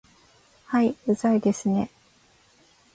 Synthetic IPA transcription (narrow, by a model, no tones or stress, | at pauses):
haiɯzaid̪e̞sɨne̞